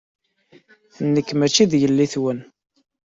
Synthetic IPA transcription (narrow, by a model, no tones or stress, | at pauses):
θnːəkːmæt͡ʃːiðjəlːiθwən